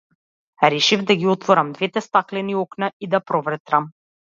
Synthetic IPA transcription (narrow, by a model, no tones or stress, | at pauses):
ɾɛʃivd̪aɡʲiɔt̪vɔɾamd̪vɛt̪ɛst̪aklɛniɔknaid̪apɾɔvɾɛt̪ɾam